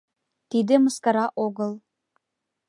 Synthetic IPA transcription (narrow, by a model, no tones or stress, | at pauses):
t̪id̪ĕmɤskɑɾɑʔoɣɤlˠ